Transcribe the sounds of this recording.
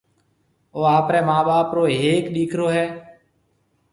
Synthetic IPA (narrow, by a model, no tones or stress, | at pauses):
oːaːpɾɛːmaːɓaːpɾoːɦeːkɗiːkʰɾoːɦɛː